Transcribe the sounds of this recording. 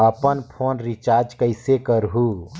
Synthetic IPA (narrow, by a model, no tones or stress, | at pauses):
əpənpʰoːnɾit͡ʃaːɾd͡ʒkəɪsekəɾɦuː